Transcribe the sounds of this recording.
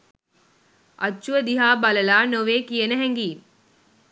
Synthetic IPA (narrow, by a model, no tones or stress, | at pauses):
ʔɐt͡ʃːuʋəd̪iɦaːbaləlaːnoʋeːkijənəɦɛŋɡiː